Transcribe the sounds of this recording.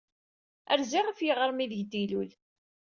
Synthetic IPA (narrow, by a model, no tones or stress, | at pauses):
æ̰ɾziʁafjəʁəɾˤmiðʝt̪ːilul